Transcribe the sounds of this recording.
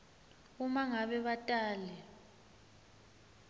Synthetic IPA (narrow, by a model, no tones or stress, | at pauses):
umaŋaɓɛɓatʼaːlɛ